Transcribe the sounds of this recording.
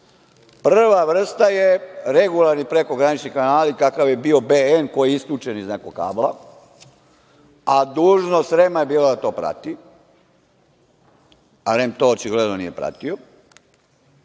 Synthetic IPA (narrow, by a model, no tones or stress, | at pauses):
prr̩ʋaʋr̩st̪ajeɾeɡulaɾnipɾe̞ko̞ɡɾanit͡ʃnikanaːlikakaʋje̞bio̞beenko̞jiist̪lʲut͡ʃe̞niznakoka̰ːblˠa | ad̪uːʒnosɾemaje̞biːlad̪at̪o̞ːpɾa̰t̪i | aɾemt̪o̞ːot͡ʃiɡled̪nonḭje̞pɾa̰t̪io